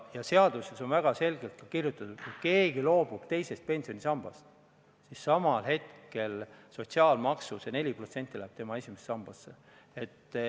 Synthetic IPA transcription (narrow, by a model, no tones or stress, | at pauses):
jɑse̞ɑd̪̥use̞so̞nvæɡ̥ɑse̞lɡ̥e̞lt̪̚kɑkirjut̪ːˑɑt̪ut̪kujke̞ːɡilo̞ːb̥ub̥t̪e̞jse̞st̪̚pe̞nsio̞nʲisɑmb̥ɑ̰st̪ | sisːɑmɑlɦe̞t̪ke̞lso̞tʲsiɑːlmɑksusene̞lʲipro̞t̪se̞nt̪ːˑilæhːb̥t̪e̞mɑe̞sʲimessɑmb̥ɑsːe | e̞t̪ːˑ